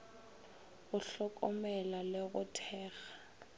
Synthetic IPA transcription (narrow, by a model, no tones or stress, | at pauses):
ɣʊɬɔkʼɔmɛlaleɣʊtʰɛːɣḁ